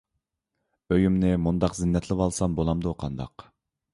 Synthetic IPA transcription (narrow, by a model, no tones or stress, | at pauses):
øjymnɪmund̪ɑqzɪnːɛt̪ʰlɪpɑlˠsɑmbolˠɑmd̪uqʰɑnd̪ɑ̰q